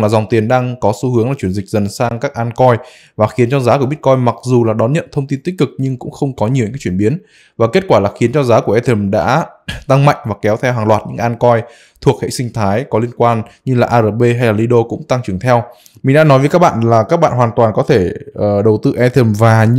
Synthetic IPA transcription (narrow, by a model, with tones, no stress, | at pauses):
laː˨˩za˨˩wŋ͡mt̪i˨˩ənɗaː˧ŋkɔ˨˦su˨˦hɨ˨˦əŋlaː˨˩t͡ɕwi˧˩ənzï˨˩k̟̚zə˨˩nsaː˧ŋkaː˦˥k̚ʔaː˧nkɔ˧j | vaː˨˩xi˨˦ənt͡ɕɔ˧zaː˨˦ku˧˩ɓi˦˥t̚kɔ˧jma˨˩k̚zu˨˩laː˨˩ɗɔ˨˦nɲə̰˧˨nt̪ʰə˧wŋ͡mt̪i˧nt̪i˦˥k̟̚kɨ˨˩k̚ɲɨ˧ŋkʊ̰˧˥ŋ͡mxə˧wŋ͡mkɔ˨˦ɲi˨˩əwɲ̰ː˨˧˨t͡ɕi˧˩ənɓi˨˦ən | vaː˨˩ke˦˥t̚kwaː˧˩laː˨˩xi˨˦ənt͡ɕɔ˧zaː˨˦ku˧˩əʔɛ˧t̪ʰə˨˩mɗa̰ː˧˥t̪a˧ŋma̰˧˨jŋ̟vaː˨˩kɛ˨˦wt̪ʰɛ˧wɦaː˨˩ŋlwaː˨˩t̚ɲɨ̰˧˥˧ʔaː˧nkɔ˧j | t̪ʰu˨˩ək̚hḛ˧˨sï˧ŋ̟t̪ʰaː˨˦jkɔ˨˦li˧ənkwaː˧nɲɨ˧laː˨˩ʔaː˧zəː˨˩p̚ɓe˧ɦa˧jlaː˨˩li˧ɗo˧kʊ̰˧˥ŋ͡mt̪a˧ŋt͡ɕɨ˨˩əŋt̪ʰɛ˧w | mi̟˨˩ɗa̰ː˧˥nɔ˨˦jvə˨˦ka˦˥ɓa̰ː˧˨nlaː˨˩kaː˦˥k̚ɓa̰ː˧˨nɦwaː˨˩nt̪waː˨˩nkɔ˨˦t̪ʰe˧˩ʔəː˨˩ɗə˨˩wt̪ɨ̰˧˨ʔɛ˧t̪ʰə˨˧˩mvaː˨˩